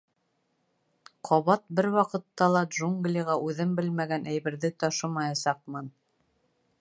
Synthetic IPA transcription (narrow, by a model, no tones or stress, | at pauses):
qʰɒβɑt̪̚bɘɾwɑqɤ̆t̪ːɑlˠɑd̪ʒuŋɡlʲiʁɑʔʉðɘmbɘlmæɡænʔæjβɘ̆ɾðɘt̪ɒʃɤ̆mɑjɑsɑq̚mɤn